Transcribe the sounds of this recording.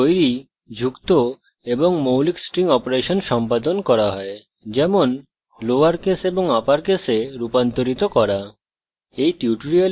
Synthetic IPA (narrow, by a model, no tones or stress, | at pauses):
ojɾi | d͡ʑʱukt̪o | eboŋmowliksʈɾiŋɔpoɾeʃonʃɔmpad̪onkɔɾaɦɔe | d͡ʑɛmon | loaɾkeseboŋapaɾkeseɾupant̪oɾit̪okɔɾa | ejt̪iuʈoɾia